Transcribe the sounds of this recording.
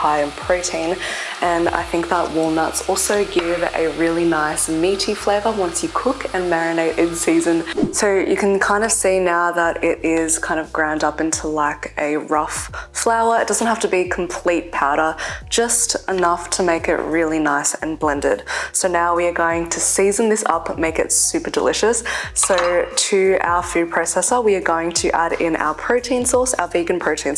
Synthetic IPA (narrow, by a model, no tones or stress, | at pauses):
haɪɨ̃npʰɹ̥oɾĩn | ʔɨ̃na̰ɪθɪ̃ŋk̚ðəʔ̚wɔlˠnʌtsɔlˠsoʊɡɪvɨ̰ɹɪlˠinaɪsmiɾifleɪvə˞wʌ̃nsjɨkʰʊkʰɨ̃nmɛɹɨ̃neɪɾʔɨ̃nsizɨ̃nsoʊjɨ̰kɨ̃nkʰãɪ̃ndʌv̥sinaʊðəɾɪɾɪz̥kʰãɪ̃ndʌvɡɹãʊ̃ndʌpɪ̃ntʰulaɪkʔɨɹʌfflaʊə˞ɨt̚d̥ʌz̃n̩t̚hæftɨbikʰm̩pʰl̥it̚pʰaʊɾə˞d̥d͡ʒ̥ʌstənʌftʰəmeɪkɪ̰ʔ̚ɹɪlˠinaɪsɨ̰̃nblɛ̃ndɪ̰d̥soʊnaʊwiə˞ɡoʊɪ̃ŋtʰɨsizɨ̃n̩ðɪsʌ̰pmeɪkɨ̰tsʉpə˞də̰lɪʃɨsːoʊtʰɨa̰ʊə˞fʉpʰɹ̥oʊsɛsə˞wiəɡoʊɪ̃ŋtʰɨʔæ̰ɾɪ̃nʔa̰ʊə˞pʰɹ̥oʊtʰĩnsɔɹsa̰ʊəveɪɡɨ̃n̩pʰɹ̥oʊtʰĩn